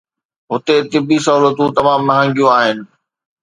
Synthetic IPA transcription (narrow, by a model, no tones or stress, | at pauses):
ɦʊt̪et̪ɪbisɐɦuːlət̪ũt̪ɐmãːmːɐɦə̃ŋɡjũaːɦɪnɪ̆